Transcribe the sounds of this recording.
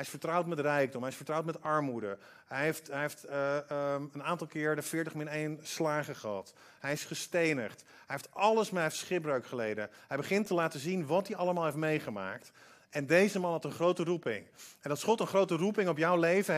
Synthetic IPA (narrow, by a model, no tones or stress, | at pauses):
ɦɛjɪsfəɹtrʌwtmɛtrɛjɡ̚dɔmɦɛjɪsfəɹtrawtmɛtɑɹmudə | ɦɛjeftɛjeft | ənaːntɑlˠkɪːɹdəfɪːɹtəχmɪnejnslaːχəχəɦɑ̰t | ɦɛjɪsχəstejnəχt | ɦɛjɦeftɑləsmɛfsχɪbrøɥkχəlejdəɦɛjbəχɪntəlaːtəzinʋɑt̚diɑləmaːlˠɦef̬tmejχəma̰ːk̚t | ɛndejzəmɑnɦɑtənχrowtərupɪ̰ŋɛnɑlˠsχɔtənχrowtərupɪŋɔpjɔwlejvə